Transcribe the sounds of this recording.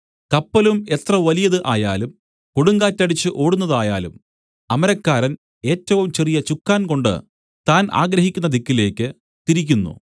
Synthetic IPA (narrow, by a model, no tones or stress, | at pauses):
kɐpːɐlume̞t̪rɐʋɐlijɐðɨʔaːja̰ːlum | koɽuŋɡaːtːɐɽit͡ɕːɨʔo̞ːɽunːɐðaːja̰ːlṵm | ɐmɐɾɐkːaːɾɐn | e̞ːtːɐʋumt͡ɕerijɐt͡ɕukːaːnko̞ɳɖɨ̰ | t̪aːna̰ːɡɾɐɦikʲːunːɐd̪ikːile̞ːkːɨ | t̪iɾikʲːunːṵ